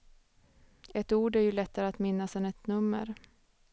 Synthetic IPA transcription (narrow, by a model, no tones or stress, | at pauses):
ɛt̪uːɖæɾjɵlɛt̪ːaɾəat̪mɪnːasɛnɛt̪nɵmːə̰ɾ